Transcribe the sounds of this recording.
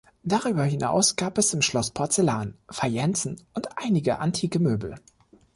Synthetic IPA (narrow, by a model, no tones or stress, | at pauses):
d̥aʁyːbɐhɪna̰ʊsɡ̥aːpɛsɪmʃlɔspʰɔɐt͡selaːnfajɛnt͡sn̩ʊntʔaɪnɪɡəʔantʰiːkəmøːbl̩